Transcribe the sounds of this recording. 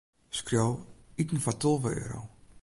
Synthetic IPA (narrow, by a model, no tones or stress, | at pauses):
skrjowitən̩fatʰɔlˠvəø̰ːɾo̰